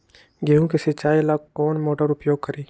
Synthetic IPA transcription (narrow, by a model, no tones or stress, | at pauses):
ɡeɦũkesɪt͡ʃaːjlakːɔːnmoːʈəɾʊpjoːɡ̚kɐɾiː